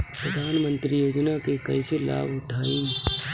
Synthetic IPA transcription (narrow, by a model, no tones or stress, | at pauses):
pɾəd̪ʱaːnmə̃nt̪ɾijoːd͡ʒnakekɐɪsela̰ːbʱʊʈʰaːĩ